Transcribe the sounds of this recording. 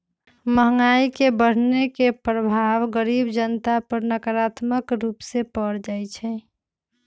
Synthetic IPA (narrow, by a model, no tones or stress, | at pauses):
məɦŋɡaikebəɽ̤nekepɾəbʱaʋɡəɾibd͡ʒənt̪apəɾnəkəɾat̪məkɾupsepəɽd͡ʒajt͡ʃʰɛ